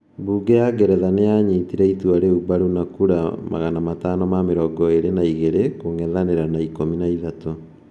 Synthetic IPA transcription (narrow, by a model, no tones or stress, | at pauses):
buːɡejaɡɛɾɛðanejaɲiːtiɾɛituaɾeubaɾunakuɾama̰ɣanamatanɔmameɾɔɡɔeɾenaiɣeɾekoŋɛðaneɾanaikominaiðato